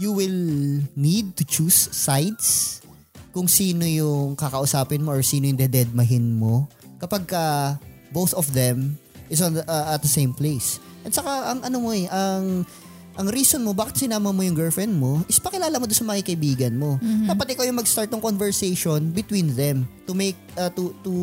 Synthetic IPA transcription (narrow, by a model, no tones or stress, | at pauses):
juwɪlnid̪̚t̪ʊt͡ʃusːajt̪s | kʊŋsiːno̞jʊŋkɐkɐʔʊsaːpɪnmo̞ʔoɹsiːnojʊŋd̪ɛd̪ɛd̪̚mɐɦɪnmo̞kɐpaɡ̚kɐbowθɔfd̪ɛm | ʔɪs̬onʔɐɐt̪̚d̪ɐsejmplejs | ʔɛnsɐkaʔɐŋʔɐnomoɛʔɐŋ | ʔɐŋɾiːsonmobaːkɪt̪sɪnaːmɐmojʊŋɡɛlfɛnd̪̚mo̞ʔɪspɐkɪlaːlɐmod̪onsɐmɐkikɐʔɪbiːɡɐnmo̞d̪aːpɐt̪ʔɪkojʊŋmɐɡst̪aɹt̪̚nɐŋkonvɛɹsejʃonbɪt̪wĩnðɛmt̪ʊmejk̚ɐt̪ut̪u